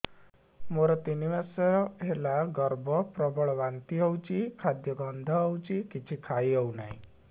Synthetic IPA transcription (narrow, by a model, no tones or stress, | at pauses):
moɾɔt̪iniʋasɔɾɔɦelaɡɔɾbʱɔpɾɔbɔɭɔʋant̪iɔwt͡ʃikʰad̪jɔɡɔnd̪ʱɔɔwt͡ʃikit͡ʃʰikʰaiɔwnaɦḭ̃